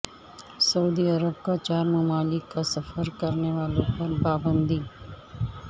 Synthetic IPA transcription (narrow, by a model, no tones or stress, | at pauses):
sɐuːd̪iːɐɾəb̚kat͡ʃaːɾmɐmaːlɪkːasɐfəɾkɐɾneʋaːlõpɐɾpaːbə̃nd̪iː